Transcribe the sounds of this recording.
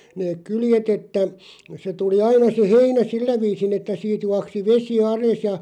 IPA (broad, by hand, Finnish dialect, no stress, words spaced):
neːk̆ kyljetˑ etːæ se tuli ɑinɑ se heinæ silːæ ʋiːsin etːæ siːt juɑksi ʋesi ɑles jɑ